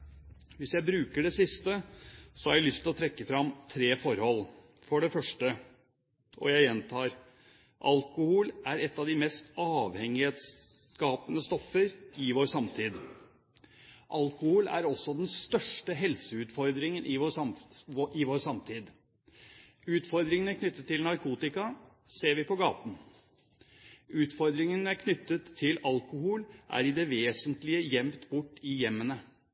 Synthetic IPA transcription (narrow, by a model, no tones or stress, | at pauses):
ʋɪsjæɪbɾʉːkəɖɛsɪst̪əsɔhɑɾjæɪlʏst̪ʰɪlɔt̪ʰɾɛkːəfɾɑmt̪ʰɾeːfɔɾhɔl | fɔɖɛfœʂʈə | ʔɔ̰jæɪjɛnt̪ʰɑːɾ | ʔɑlkʊhuːlʔæɾɛt̪ːɑʋd̪ɪmɛst̪ɑːʋhɛŋɪheːt̪skɑːpənəst̪ɔfːəɾɪʋoːɾsɑmt̪ʰiːd̪ | ʔɑlkʊhuːlæ̰ɾɔsːɔd̪ɛnst̪œʂʈəɦɛlsəʉːt̪fɔɾd̪ɾɪŋənʔɪ | ɪʋoːɾsɑmt̪ʰiːd̪ | ʉːt̪fɔɾd̪ɾɪŋənəkʰnʏt̪ːət̪ʰːɪlnɑɾkʰuːt̪ɪkɑ | seːɾʋɪpʰɔɡɑːt̪n̩ | ʉːt̪fɔɾd̪ɾɪŋənækʰnʏt̪ːət̪ʰːɪlɑlkʊhuːlʔæ̰ɾɪd̪ɛʋeːsənt̪lɪəjɛmt̪bʊʈːɪjɛmːənə